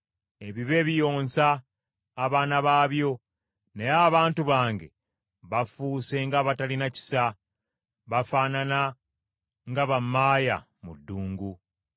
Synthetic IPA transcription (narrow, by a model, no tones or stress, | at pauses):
e̞βiβe̞ːβijo̞ːnsaː | βaːnaβaːβjo̞ | nejaːβaːntuβaːŋɡe̞̰ | βafuːse̞ŋɡaβatalinaci̥sa | βafaːnana | ŋɡaβamːaːja̰ | mudːuːŋɡu